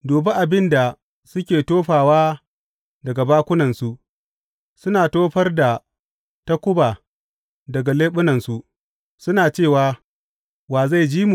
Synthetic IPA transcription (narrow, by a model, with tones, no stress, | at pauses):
doː˨bɐ˦ʔa˨bɪ˦nda˨ | sʊ˦kʲeː˨toː˦ɸaː˨waː˦ | dɐ˨ɡa˨baː˦kʷʊ˦nɐ˨nsu˦ʔ | sʊ˦naː˨toː˦ɸɐ˦rda˨ | tɐ˦kʷʊ˦baː˨ | dɐ˨ɡa˨leː˦ɓʊ˦nɐ˨nsu˦˨ | sʊ˦naː˨t͡ʃeː˦˨waː˨˦ | waː˨za˦˨jd͡ʒiː˦mu˨